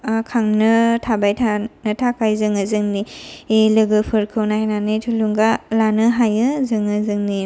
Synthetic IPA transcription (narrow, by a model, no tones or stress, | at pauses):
kʰaŋnɯtʰabajtʰanɯtʰakʰajzɯŋɯzɯŋnielɯɡɯpʰɯɾkʰɯwnaananɯtʰuluŋɡalanɯɦajɯzɯŋɯzɯŋni